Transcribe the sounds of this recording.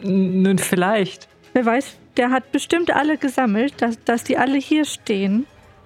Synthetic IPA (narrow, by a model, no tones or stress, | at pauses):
nuːnfɪlaɪçt | veːɐvaɪsd̥eːɐɦat̚b̥əʃtɪmtʔa̰ləɡəzaml̩t̚d̥asd̥asd̥iːʔaləhiːɐʃteːən